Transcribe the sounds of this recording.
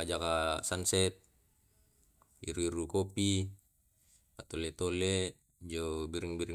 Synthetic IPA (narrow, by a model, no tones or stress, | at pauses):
ad͡ʒakasansɛt̪̚ | iɾuiɾukɔpi | pat̪ɔlɛt̪ɔlɛ | d͡ʒobiɾiŋbiɾi